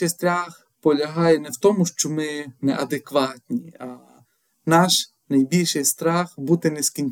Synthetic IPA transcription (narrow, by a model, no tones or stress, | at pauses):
ɪjst̪ɾɑx | pɔlʲɐɦɑjɛnɛwt̪ɔmʊʃt͡ʃɔmɪnɛʔɐd̪ekʋɑt̪ʲnʲiɐ | nɑʃ | nɐjbʲilʲʃɪjst̪ɾɑxbut̪ɪnɛskʲinʲ